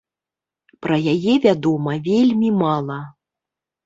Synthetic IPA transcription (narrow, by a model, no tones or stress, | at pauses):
pɾɐjajɛvʲad̪ɔmɐvʲelʲmʲimalˠɐ